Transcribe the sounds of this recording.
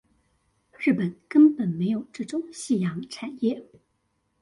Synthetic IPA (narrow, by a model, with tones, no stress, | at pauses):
ɻɻ̩˥˩pə˨˩˦nkə˥npə˨˩nme˧˥ɪjo˨˩ʊʈ͡ʂɤ˥˩ʈ͡ʂʊ˥˩ŋɕi˥˩jɑ˧˥ŋʈ͡ʂʰa˨˩njɛ˥˩